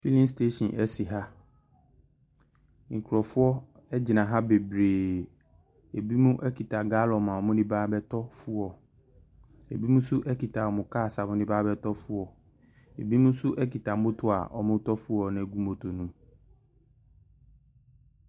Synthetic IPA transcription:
fi˦lĩ˦ms̬te˦ɕĩ˨nʔɛ˦si˨ɦa˦ | ŋ̩˨kʰɾɔ˨fʊ˦ɔ˦ | ɛ˦d͡ʑɪ˨nã˨ɦa˦be˨bɾeː˨ | e˨bi˦mũ˦ʔɛ˦kʰi˨tʰa˨ɡa˦lɔ˨mã˨ɔ˨mʊ̃˦nɪ̃˦baː˦bɛ˦tʰɔ˦fʊ˦ɔ˨ | ḛ˨bi˦mũ˦sʊ˦ʔɛ˦ki˨tʰa˨ɔ˨mʊ̃˨kʰaː˦˨sa˨mʊ̃˦nɪ̃˦baː˦bɛ˦tʰɔ˦fʊ˦ɔ˨ | e˨bi˦mũ˦sʊ˦ʔɛ˦ki˨ta˨mʊ̃˦tʰʊ˨a̰˨ʔɔ̰˨mʊ̃˦tɔ˦fʊ˦ɔ˨nã˨ɡu˦mõ˨tʰo˨nũ˦

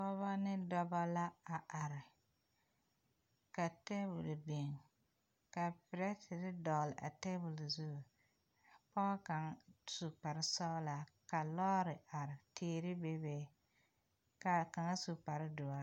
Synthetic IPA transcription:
pɔ˦βa˦nɪ˦dɔ˦ba˦la˦a˨ʔa˨ɾɪ˨ | ka˨te˦bʊ˨lbe˨ŋ | ka˨pɪ˨ɾɛ˦tɪ˨ɾɪ˦dɔ˨lɪ˨ʔa̰˨te˦bʊ˨lzu˦˨ | pɔ˦ɣa˦ka˨ŋ˦su˨pa˨ɾɪ˦sɔ˦la˨ka˨lɔː˦ɾɪ˨a˨ɾɪ˨tʰeː˦ɾɪ˦be˦be˦ | ka˨ka˨ŋa˦su˨pa˨ɾɪ˦dʊ˨a˦

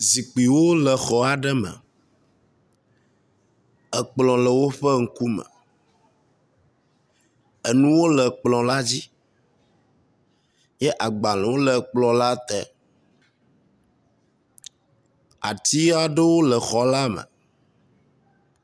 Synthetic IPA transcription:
zi˨k͡pi˨wo˦lə˨xɔ˦a˨ɖə˦mə̰˨ | ə˨k͡plɔ̃˨lə˨wo˦ɸə˦ŋ̩˦ku˦mə̰˨ | ə˨nũ˦wo˦lə˨k͡plɔ̃˨la˦d͡ʑi˦ | jɛ˦ʔa˨ɡ͡ba˨lwo˦lə˨k͡plɔ̃˨la˦t̪ɛ̰˦ | a̰˨t̪i˦a˦ɖə˦wo˦lə˨xɔ˨la˦mə̰˨

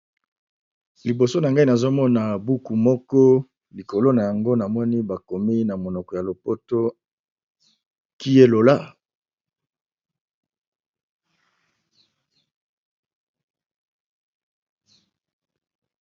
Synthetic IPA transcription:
li˨bo˨so˦na˨ŋɡa˦i˦na˨zo˦mɔ˦na˨bu˦ku˨mɔ˦kɔ˦ | li˨ko˨lo˦na˨ja˨ŋɡo˦na˨mɔ˦ni˦ba˨ko˨mi˦na˨mo˨nɔ˨kɔ˨ja˨lo˨po˦to˦ | ki˦je˦lo˨la˦

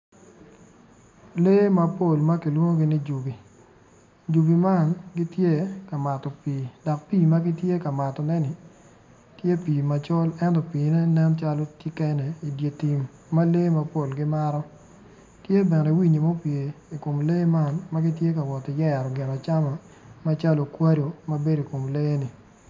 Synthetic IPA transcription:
le˦ma˨po˦˨lma˦ki˨lwo˦ŋo˦ɡi˦ni˦d͡ʒu˨bi˨ | d͡ʒu˨bi˨ma˦˨nɡi˦tje˦ka˨ma˨tɔ˨piː˨dɔ˨k̚piː˦˨ma˦ɡi˦tje˦ka˨ma˨tɔ˨nɛ˦nɪ˨ | tje˦pi˨ma˨t͡ʃɔ˦lɛ˦ntɔ˨piː˨ne˦nɛ˦mt͡ʃa˦lo˦ti˦kɛ˦nɛ˨i˨dje˨ti˨mː | a˦le˦ma˦po˦˨lɡɪ˦ma˦ɾɔ˦ | tje˦bɛ˨nɛ˨wi˦ɲi˨mɔ˦pje˨i˨ko˨mle˦ma˦nma˦ɡi˦tje˦ka˨wɔ˨ti˨jɛ˦a˨ɾɔ˨ɡɪ˨na˨t͡ʃa˦ma˨ | ma˦t͡ʃa˦lo˨kwa˦do˨ma˦be˦do˨ko˨mle˦e˦nɪ˨

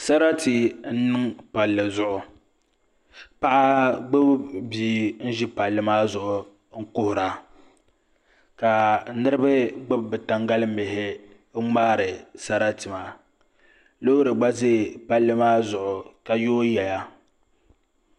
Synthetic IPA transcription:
sa˦ɾa˦ti˨n̩˦nɨ˦ŋpa˨lːɨ˨zʊ˨ʔʊ˨ | pa˦ʔa˦ɡ͡bʊ˦bbiː˨˦n̩˦ʒi˦pa˨lːɨ˦maː˦zʊ˨ʔʊ˨ | ŋ̩˦kʊ˦hʊ˨ɾa˨ | ka˨nɨ˦ɾɨ˦bɨ˦ɡ͡bʊ˦bbɨ˨ta˨ŋɡa˦lɨ˦m̩˦ɪ˨ɦɪ˦ | ŋ͡maː˦ɾɨ˨sa˦ɾa˦tɨ˨ma˨ | lo˦ɾɨ˨ɡ͡ba˦ze˦˨pa˦lːɨ˦maː˦zʊ˨ʔʊ˨ka˨joː˦jɛ˨la˦

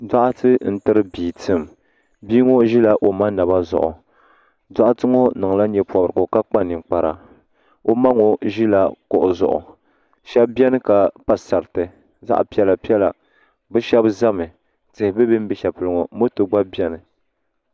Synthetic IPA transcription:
da˦ʔa˦tɨ˦n̩˦tɨ˦ɾɨ˦biː˨tɨ˦m | biː˦ŋo˦ʒi˦la˦ʔo˨ma˦na˨ba˦zʊ̰˨ʔʊ̰˨ | da˦ʔa˦tɨ˦ŋo˦nɨ˨ŋ˨la˦ɲɛ˨pɔ˨bɾɨ˨ɡo˨ka˦k͡pa˦nɨ˨k͡pa˨ɾa˨ | o˦ma˦ŋo˨ʒi˦la˦kʊ˨ʔʊ˨zʊ̰˨ʔʊ̰˨ | ʃɛ˦bbjɛ˦nɨ˦ka˨pa˨sa˨ɾtɨ˨ | za̰˦ʔpi˦ɛ˦˨la˨pi˦ɛ˦la˨ | bɛ˦ʃɛ˦bza˦mɨ˨ | tɨ˨hɪ˨bɨ˦bi˦m˦bi˦ʃa˨pɨ˨lɨ˨ŋo˨mo˦tɨ˨ɡ͡ba˦bɛ˦nɨ˨

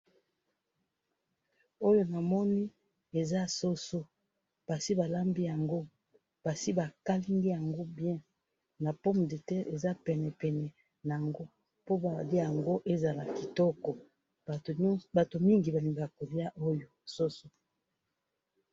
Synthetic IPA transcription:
o˦jo˦na˨mɔ˦ni˦ | e˨za˦so˦so˦ | pa˨si˦ba˨la˦mbi˦ja˨ŋɡo˦ | b̥a˨si˦ba˨ka˦li˦ŋɡi˦ja˨ŋɡo˦bjɛ̃˦ | na˨pɔ˦m˨de˨tɛ˦ʔe˨za˦pɛ˨nɛ˨pɛ˨nɛ˨ | na˨a˨ŋɡo˦ | po˦ba˨li˦a˨ŋɡo˦ʔe˦za˨la˨ki˨tɔ˦kɔ˨ | ba˨to˨mi˦ŋɡi˨ba˨li˨ŋɡa˨ko˨li˦a˦ʔo˦jo˨so˦so˦

